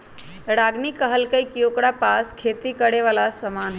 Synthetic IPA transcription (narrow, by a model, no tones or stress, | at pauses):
ɽaɡnikːəɦəlkəjkiokɽapaskʰet̪ikəɽeʋalasəmanɦ